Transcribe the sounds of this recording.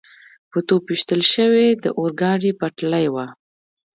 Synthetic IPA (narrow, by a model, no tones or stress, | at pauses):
pət̪opiʃt̪əlʃəwed̪əʔoɾɡɑɖipaʈlajwa